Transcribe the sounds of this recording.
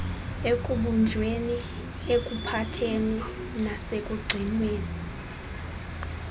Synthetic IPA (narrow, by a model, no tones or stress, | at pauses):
ekʼuɓund͡ʒʱweni | ekʼupʰatʰeni | nasekʼuɡ͡ǀʱinweːni